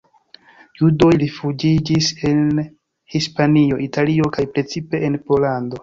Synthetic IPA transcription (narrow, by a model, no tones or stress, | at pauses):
judo̞jlifud͡ʒid͡ʒise̞n | hispanio̞ʔitalio̞kajpɾe̞t͡sipe̞ʔenpo̞lando̞